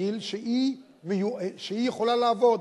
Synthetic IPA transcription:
ilʃei | mejueʃeijeχolalaːvod̪

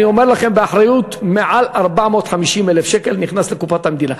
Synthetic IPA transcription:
iomeɾlaχembeaħɾajut̪meʕalʔaɾbaʕmot̪ħamiʃimelefʃekelniχnaslekufat̪hamd̪iːna

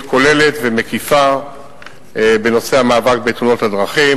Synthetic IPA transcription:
ko̞le̞le̞t̪veme̞kifa | be̞no̞seamaːvak̚betuno̞thadʁaχim

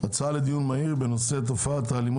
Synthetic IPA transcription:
at͡saled̪ijunmaiʁbe̞no̞se̞t̪ofat̪aːlim

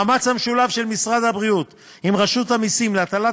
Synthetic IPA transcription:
mat͡shamʃulavʃe̞lmisʁad̪habʁiut̪ | imʁaʃut̪hamisimleat̪ala

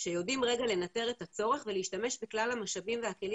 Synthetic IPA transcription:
ʃe̞jo̞dimʁe̞ɡale̞nate̞ʁe̞tat͡so̞ʁeχveleiʃtame̞ʃbeklalhamaʃabimvehakeli

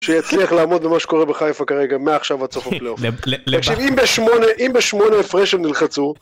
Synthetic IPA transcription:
ʃejat͡sliaχlaːmo̞d̪bemaʃe̥ko̞ʁebeχajfakaʁeɡameaːχʃavat͡sofapleot̪akʃivimbeʃmo̞neʔimbeʃmo̞neːfʁeʃemnilχat͡su

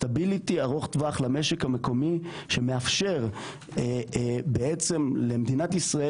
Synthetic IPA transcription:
t̪abilit̪iaʁo̞χt̪vaχlame̞ʃekhame̞ko̞mi | ʃe̞meafʃe̞ʁ | beet͡se̞mle̞med̪inat̪isʁae

